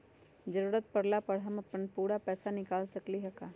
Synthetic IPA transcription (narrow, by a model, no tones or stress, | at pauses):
d͡ʒɐɾuːɾət̪̚pɐɽlapɐɽɦɐmɐpənpuːɽapɛːsanɪkaːlsɐkliɦɐkaː